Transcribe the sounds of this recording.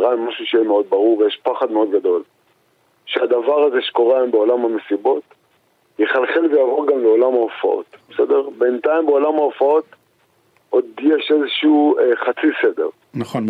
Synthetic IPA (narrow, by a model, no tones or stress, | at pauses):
ʁaimaʃuʃejemeo̞d̪̚baʁuʁvejeʃpaχad̪meo̞d̪ɡad̪o̞l | ʃead̪avaʁaze̞ʃe̥ko̞ʁeambeolamhame̞sibo̞t̪ | jeχalχelvejaːvo̞ʁɡamleo̞lamaofa̰o̰t̪besedeʁbe̞nt̪aimbeo̞lamhaofao̞t̪ | ʔo̞d̪jeʃezeʃiueχat͡sise̞d̪e̞̰ʁ | naχon